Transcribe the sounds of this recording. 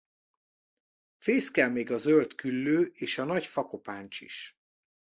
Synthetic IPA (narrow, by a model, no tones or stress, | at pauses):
feːskɛlmeːɡɒzølt̪kylːøːʔeːʃɒnɒcfɒko̞paːnt͡ʃḭʃ